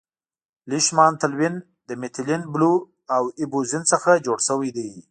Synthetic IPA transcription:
lɪʃmɑnt̪alwin | d̪əmɪt̪linblu | awibuzinsəxad͡ʒoɽʃəwajd̪ej

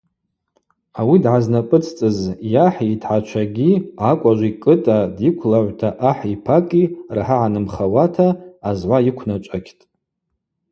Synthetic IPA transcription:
awidʕaznapʼɨt͡sʰt͡sʼɨzjaħitʰħat͡ʃʷʰaɡʲiakʷʼaʒʷikʼɨtʼadikʷʰlaʕʷtʰaʔaħipʰakʼirħaʕanɨmχawatʰaːzʕʷajikʷʰnat͡ʃʷʼakʲʰtʼ

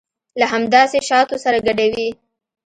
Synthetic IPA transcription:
laɦamd̪ɑseʃɑt̪osaɾaɡaɖawi

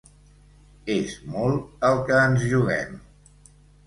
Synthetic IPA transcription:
ezmɔlˠəlˠkəːnzʒuɣ̞ɛ̰m

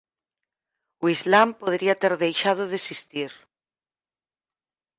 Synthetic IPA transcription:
uizlampoðeɾiat̪eɾðejʃað̞oðesist̪iɾ

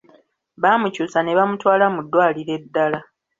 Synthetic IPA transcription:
βaːmucusane̞βamutwaːlamudːwaːliɾe̞dːala

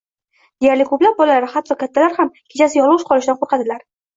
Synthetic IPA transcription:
d̪̥e̞jaɾlɪkʰɵplap̚bɒlalaɾɪhat̪ʰːɒkʲʰat̪ʰːalaɾhamkʲʰet͡ʃʰasɪjɒlˠʊʃqʰɒlɪʃd̪anqʰoɾqʰɑd̪ɪlaɾ

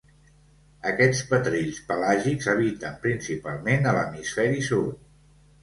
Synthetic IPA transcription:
əkɛt͡spət̪ɾiʎspəlaʒikzəβ̞it̪əmpɾinsipalˠmenələ̰misfɛɾisut̪

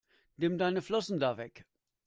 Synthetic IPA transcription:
nɪmdaɪnəflɔsn̩daːvɛk

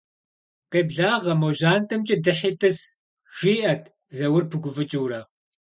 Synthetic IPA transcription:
qeːbɮaːʁɐmoʒaːntʰɐmt͡ʃʼɪdɨħiːtʰɨs | ʒ̥iːʔɐtʰ | zɐwʊrpʰɨɡʷʊvɨt͡ʃʼɪwɾaː

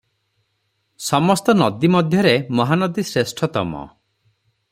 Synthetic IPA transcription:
sɔmɔst̪ɔnɔd̪imɔd̪ʱjɔɾemɔɦanɔd̪isɾesʈʰɔt̪ɔmɔ̰

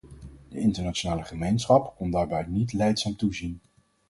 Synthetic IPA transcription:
d̥əɪntəɹnat͡ʃonaːləχəmejnsχɑpkɔndaːɹbɛjtnitlɛjtsaːmtuzin

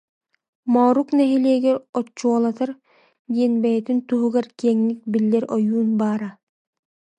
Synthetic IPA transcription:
mɔːɾuknɛɦiliːɡɛɾɔt͡ʃːuɔlˠat̪aɾ | d̪iɛnbɛjɛt̪int̪uɦuɣaɾkiɛŋnik̚bilːɛɾɔjuːnbaːɾa

